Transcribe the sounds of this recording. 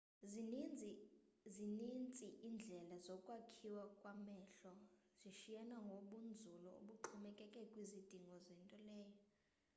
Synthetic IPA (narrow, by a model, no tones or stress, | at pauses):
zinint͡sʼiʔind͡ɮʱɛlazɔkʼwakʰiwakʼwamɛɬɔziʃijanaŋɡʱoɓund͡zʱulɔo̰ɓuǃʰɔmɛkʼɛkʼɛkʼwizid̥ʱiŋɡʱɔzɛntʼɔlɛːjɔ